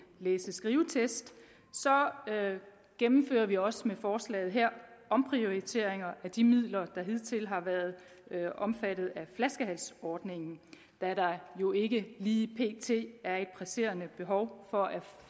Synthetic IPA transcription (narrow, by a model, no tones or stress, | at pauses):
leːsəsɡ̥ʁiːʊət͡sʰesd̥ | sɒ̽ | ɡ̥emm̩fø̰ːɐʋiɒ̽smefɒːslɛ̰ːð̩ˠɦeɐ̰ɒ̽mpʰʁio̝it͡sʰe̝̰ɐ̰eŋɐʔæd̥imið̰ˠlɐd̥ɑ̈ɦe̝ð̰ˠt͡sʰe̝lɦɑ̈ʋæɐð̞̩ˠ | ʔɒ̽mfæd̥ð̞̩ˠæflæsɡ̥əɦælsɒːd̥ne̝ŋn̩ | d̥ɑæɐɾɑ̈jo̝e̝ɡ̥əliːpʰe̝̰ːt͡sʰe̝̰ːæɐe̝d̥̚pʰʁæse̝̰ːɐnəb̥e̝ɦɒ̽ʊfɒ̽ʔæ